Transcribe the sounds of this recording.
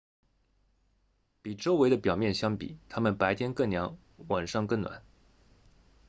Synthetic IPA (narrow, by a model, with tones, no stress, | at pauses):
pi˨˩ʈ͡ʂo˥ʊwe˧˥ɪd̪ə˧pjɑ˨˩ʊmjɛ˥˩nɕjɑ˥ŋpḭ˨˩˦t̪ʰa˥mə˨npa˧˥ɪt̪ʰjɛ˥nkə˥˩ŋnjɑ˧˥ŋ | wa˨˩nʂɑ˥˧ŋkə˥˩ŋnwa̰˨˩˦n